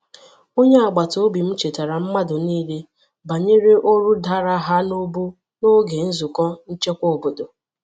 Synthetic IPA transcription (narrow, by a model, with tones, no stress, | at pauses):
o˦ɲe˦a˨ɡ͡ba˨to˨˦bi˨m̩˦t͡ʃe˨ta˨ɾa˨m̩˦ma˦dʊ˨niː˦le˦ | ba˨ɲe˦ɾe˦ʔo˦ɾu˦da˦ɾa˦ɦa˦no˦bu˦ | no˦ɡe˨n̩˦zʊ˨kɔ˦n̩˦t͡ʃe˦kʷo˦˨bo˨do˨